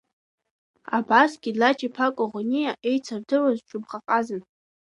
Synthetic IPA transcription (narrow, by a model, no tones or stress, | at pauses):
a̰basɡʲidlat͡ʃʰʼipʰakʷʼʊʁnʲijaʔe̞jt͡sʰardɨrazʈ͡ʂʰʼʊbχaqʼazɨn